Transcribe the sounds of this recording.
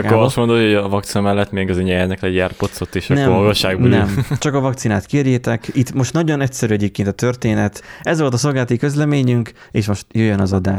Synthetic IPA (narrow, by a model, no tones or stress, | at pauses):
oɾɒst̪mod̪ohojɒvɒkt̪sinɒmɛlːɛt̪ːmeːɡɒzɛɲɛrnɛklɛɟaːrpo̞t̪so̞t̪ːeːʃnɛmɒɡɒʃːaːɡbonɛmt͡ʃɒkɒvɒk̚t̪sinaːt̪keːrjeːt̪ɛkit̪mo̞ʃt̪nɒɟo̞nɛcsɛɾyɛɟeːp̚keːnt̪ɒt̪ø̞rt̪eːnɛt̪ɛzʋo̞lt̪ɒso̞lˠɡaːlt̪ikø̞zlɛmeːɲyŋk | ḛːʃmo̞ʃt̪jøjːønɒzɒd̪aːʃ